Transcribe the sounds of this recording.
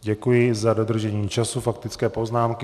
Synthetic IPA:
ɟɛkujɪzado̞d̪r̩ʒɛɲiːt͡ʃasufak̚t̪ɪt͡skɛːpo̞znaːmkɪ

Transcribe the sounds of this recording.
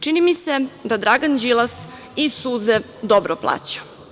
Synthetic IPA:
t͡ʃinimised̪ad̪ɾaɡand͡ʑilˠas | isuːzed̪obɾoplˠa̰ːt͡ɕḁ

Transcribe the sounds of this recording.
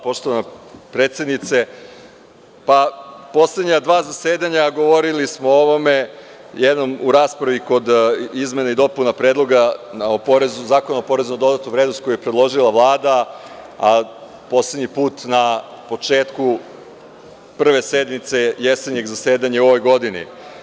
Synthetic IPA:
po̞ʃt̪o̞ʋanopɾet̪sje̞d̪nit̪se̞ | papo̞sle̞d̪ɲad̪ʋaːzase̞ːd̪aɲaɡo̞ʋo̞ɾilismo̞oʋome̞ | jed̪no̞muɾaːspɾaʋiko̞d̪izme̞naid̪o̞punapɾeːd̪lˠo̞ɡanaopoɾezuzaːkonaopo̞ɾe̞zunad̪o̞d̪at̪uʋɾed̪nost̪̚ko̞jujepɾed̪lˠo̞ʒilˠaʋlˠaːd̪a | a | po̞sled̪ɲipuːt̪napo̞t͡ʃeːt̪ku | pr̩ʋe̞sed̪mit̪se̞jeseɲe̞ɡzaseːd̪aɲao̞ʋo̞jɡo̞d̪inḭ

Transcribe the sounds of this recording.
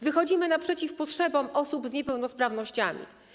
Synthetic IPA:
vɘxɔd͡ʑimɘnapʂɛt͡ɕifpɔtʂɛbɔmʔɔsubzɲɛpɛwnɔspɾavnɔɕt͡ɕa̰mʲḭ

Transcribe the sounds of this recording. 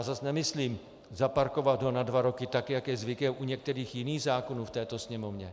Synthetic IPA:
azasnɛmɪsliːm | zapaɾko̞vad̪ɦonadvaɾo̞kɪt̪akjakjɛzvɪkɛmʔuɲɛk̚t̪ɛɾiːxjɪniːɣzaːko̞nuːft̪ɛːt̪o̞sɲɛmovɲɛ

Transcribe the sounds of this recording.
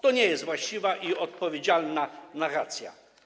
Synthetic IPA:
t̪ɔɲɛjɛst̪vwaɕt͡ɕivaʔiɔt̪̚pɔvʲed͡ʑalnanaɾat̪sʲja̰

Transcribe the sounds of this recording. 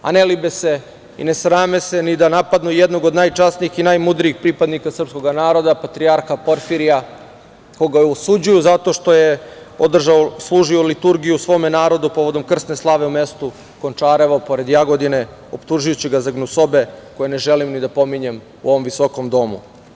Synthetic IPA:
a̰nelibese | ḭne̞sɾaːmesenid̪anapad̪nujed̪no̞ɡo̞d̪naːjt͡ʂasniixinaːjmud̪ɾiixpɾipad̪nikasr̩psko̞ɡanaːɾo̞d̪apat̪ɾiaɾxapo̞ɾfiɾija | koɡausud͡ʑujuzat̪o̞ʂt̪o̞je | od̪r̩ʒaoslˠuːʒio̞lit̪uɾɡijuusʋo̞ːmenaːɾo̞d̪upo̞ʋo̞d̪o̞mkr̩st̪ne̞slˠaːʋe̞ume̞st̪u | ko̞nt͡ʂaːɾeʋapo̞ɾe̞d̪jaɡo̞d̪ine̞ | opt̪uʒujut͡ɕiɡazaɡnuso̞beko̞jene̞ʒelimnid̪apo̞miɲe̞m | ṵo̞ʋo̞mʋiso̞ko̞md̪o̞mṵ

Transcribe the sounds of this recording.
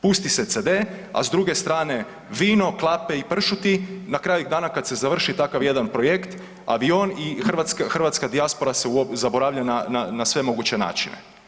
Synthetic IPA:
pust̪iset̪sed̪ea̰zd̪ɾuɡe̞st̪ɾaːne̞ | ʋiːno̞klˠapeipr̩ʃut̪inakɾaːjud̪aːnakad̪se̞zaʋr̩ʃit̪akaʋje̞d̪anpɾo̞je̞kt̪ | a̰ʋio̞nixr̩ʋat̪skaxrʋat̪skad̪iaspo̞ɾaseuozabo̞ɾaʋʎanananasʋe̞mo̞ɡut͡ɕe̞na̰ːt͡ʃinḛ

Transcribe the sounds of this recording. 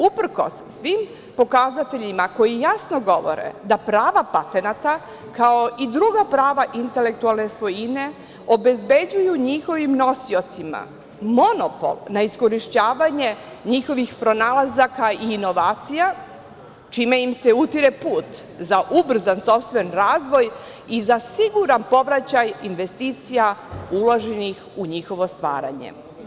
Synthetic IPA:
upr̩ko̞̰sːʋim | po̞kazat̪e̞ʎimako̞jijasnoɡo̞ʋo̞̰ɾḛd̪apɾaːʋapat̪e̞nat̪a | kao̞ʔid̪ɾuɡapɾaːʋaʔint̪e̞lek̚t̪ualˠne̞sʋo̞jine̞ | o̞be̞zbe̞d͡ʑujuɲixo̞ʋimno̞sio̞t̪sima̰ | mo̞nopo̞̰lˠnaisko̞ɾiʃt͡ɕaːʋaɲe̞ | ɲixo̞ʋixpɾo̞naːlˠazakaiːno̞ʋaːt̪sija | t͡ʃiːmejimse̞ut̪iɾe̞puːt̪ | zaʔubr̩zanso̞pst̪ʋe̞nɾaːzʋo̞j | izasiɡuɾanpo̞ʋɾat͡ɕajinʋe̞st̪iːt̪sijauloʒenixuɲixo̞ʋo̞st̪ʋa̰ːɾa̰ɲḛ

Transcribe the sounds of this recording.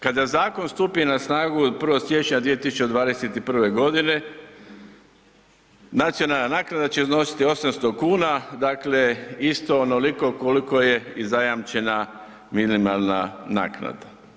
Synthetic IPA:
kad̪azaːko̞nst̪upinasnaːɡupr̩ʋosje̞t͡ʃɲad̪ʋie̞t̪isu̥t͡ʃed̪ʋaːd̪eset̪ipr̩ʋe̞ɡo̞d̪ine̞ | nat̪sijo̞nalˠnanaːknad̪at͡ɕe̞zno̞si̥t̪io̞samst̪okuːnad̪akle̞ist̪o̞ːnoliko̞koliko̞jeizajamt͡ʃe̞na | minimalˠnana̰ːkna̰d̪a

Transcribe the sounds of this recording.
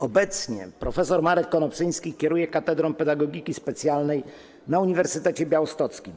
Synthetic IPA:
ɔbɛt̪sɲɛ̰pɾɔfɛsɔɾmaɾɛkkɔnɔpsɘj̃skʲikʲɛɾujɛkat̪ɛd̪ɾɔmpɛd̪aɡɔɡʲikʲispɛt̪sʲjalnɛj | nauɲivɛɾsɘt̪ɛt͡ɕɛbʲjawɔst̪ɔt̪skʲim

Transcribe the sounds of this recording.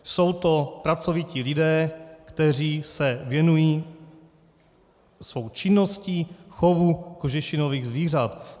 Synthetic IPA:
so̞wt̪o̞pɾat͡so̞vɪcilɪdɛːkt̪ɛr̝iːsɛvjɛnujiː | svo̞wt͡ʃɪnːoscixovukoʒɛʃɪnoviːɣzviːr̝at̪

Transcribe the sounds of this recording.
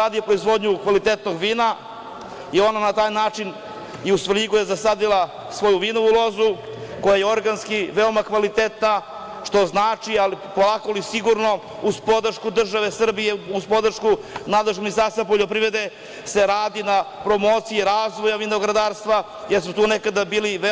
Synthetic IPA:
aːd̪iopɾoizʋo̞d̪ɲukʋalit̪et̪no̞ɡʋiːna | io̞nanat̪aːjnaːt͡ʂin | iusʋliɡujezasad̪ilˠa | sʋo̞juʋino̞ʋulˠo̞zuko̞jajeo̞ɾɡanskiʋeo̞makʋalit̪et̪na | ʃt̪o̞znaːt͡ʃialipo̞lˠakolisiɡuɾno̞ | uzpo̞d̪rʃkud̪r̩ʒaʋe̞sr̩bijeuzpo̞d̪r̩ʃkunad̪leʃminist̪aɾst̪ap̬oʎo̞pɾiʋɾe̞d̪e̞ | se̞ɾaːd̪inapɾo̞moːt̪sijiɾaːzʋo̞jaʋinoɡɾad̪aːɾst̪ʋa | jeɾsut̪uːnekad̪abiːliʋe

